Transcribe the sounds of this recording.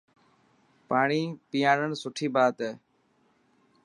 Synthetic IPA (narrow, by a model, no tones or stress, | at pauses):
paːɳiːpijaːnəɳsʊʈʰiːbaːt̪eː